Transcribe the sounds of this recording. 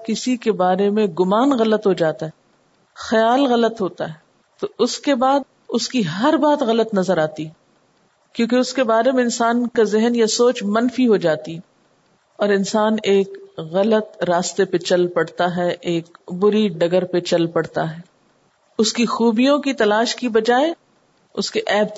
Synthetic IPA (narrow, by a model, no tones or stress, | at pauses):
kɪsikebaːɾemẽɡʊmaːnɣɐlət̪ɦod͡ʒaːt̪aɦɛ | xɐjaːlɣɐlət̪ɦoːt̪a̰ɦɛː | t̪oʊskebaːd̪̚ | ʊskiɦɦɐɾbaːt̪ɣɐlət̪nɐzəɾaːt̪iɦɛ | kjõːkeʊskebaːɾemẽɪnsaːnkazɪɦənjasoːt͡ʃmɐnfiɦod͡ʒaːt̪iɛ | ɔːɾɪnsaːneːkɣɐlət̪ɾaːst̪epet͡ʃɐlpɐɽt̪aɦɛʔeːk̚bʊɾiɖɐɡəɾpet͡ʃɐlpɐɽt̪aɦɛː | ʊskixuːbijõkit̪ɐlaːʃkibɐd͡ʒaːe | ʊskeʔɛːb